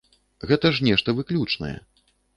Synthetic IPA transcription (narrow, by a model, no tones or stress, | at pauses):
ɣɛt̪ɐʐnʲɛʂt̪ɐvɨklʲut͡ʂnɐ̰jɛ̰